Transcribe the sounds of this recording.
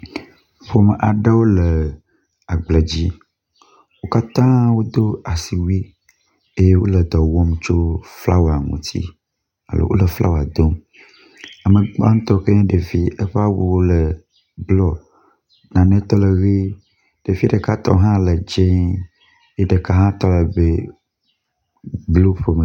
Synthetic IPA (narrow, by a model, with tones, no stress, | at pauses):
ɸo˦mə˨ʔa˨ɖə˦wo˦lə˨ | a˨ɡ͡blə˨d͡ʑi˦ | wo˦ka˦t̪ã˦wo˦d̪o˦a˨si˨wu˦i˦ | e˦je˦wo˦lə˨d̪ɔ˨wɔ˦mt͡ʃo˦fla˦wa˨ŋṵ̃˨t̪ʰḭ˦ | a̰˨lo̰˨wo̰˦lə˨fla̰˦wa˨d̪o˦m | a˨mə̃˨ɡ͡ba˦ŋ̃˦t̪ɔ˦ke˦ɖe˨vi˦ə˦ɸa˦wo˦wo˦lə˨ | blɔ˦ | nã˨nẽ˦t̪ɔ˦lə˨ɣe˦ | ɖ̥e˨vi˦ɖə˨ka˦t̪ɔ̰˦ɦã˦lə˨d͡ʒe˦ | je˦ɖə˨ka˦ɦã˦t̪ɔ˦lə˨be˦ | blo˦ɸe˨me˨